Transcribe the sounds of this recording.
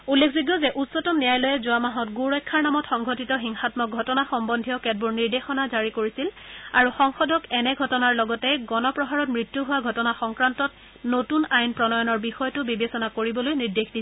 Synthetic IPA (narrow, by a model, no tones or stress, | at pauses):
ulːekʰzuɡjɔzɛʔutsɔtɔmnijajlɔjɛzʊamaɦɔtɡuɹɔjkʰːaɹnamɔtxɔŋɡʱotitɔxiŋxatmɔk̚ɡʱɔtɔnaxɔmbɔndʱijɔkɛt̚buɹniɹdexɔnazaɹikoɹisilaɹuxɔŋxɔdɔkɛnɛɡʱɔtɔnaɹlɔɡɔtɛɡɔnɔpɹɔɦaɹɔtmɹitjuɦʊwaɡʱɔtɔnaxɔŋkɹantɔt | notunajnpɹɔnɔjɔnɔɹbixɔjɔtʊbibesɔnakoɹibɔlojniɹdexdisɛ